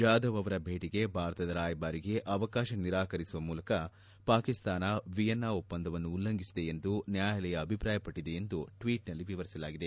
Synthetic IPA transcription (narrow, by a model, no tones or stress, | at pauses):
d͡ʒaːd̪ɐʋɐʋɐɾɐbʱe̞ːʈiɡe̞bʱaːɾɐt̪ɐd̪ɐɾaːjbaːɾiɡe̞ʔɐʋɐkaːʃɐniɾaːkɐɾisuʋɐmuːlɐkɐ | paːkist̪aːnɐʋijɐnːaːopːɐnd̪ʱɐʋɐnːuːlːɐŋɡisid̪e̞end̪unjaːjɐlɛjɐːbʱipɾaːjɐpɐʈːid̪e̞end̪uʈʋiːʈnɐlːiʋiʋɐɾisɐlaːɡid̪e